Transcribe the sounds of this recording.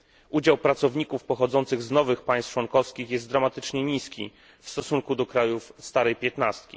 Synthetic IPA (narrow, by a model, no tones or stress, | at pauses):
ʔud͡ʑawpɾat̪sɔvɲikufpɔxɔd̪zɔnt̪sɘɣznɔvɘxpaj̃st̪t͡ʂwɔnkɔfskʲixjɛst̪d̪ɾamat̪ɘ̥t͡ʂɲɛɲiskʲḭ | fst̪ɔsuŋkud̪ɔkɾajufst̪aɾɛjpʲjɛt̪nast̪kʲḭ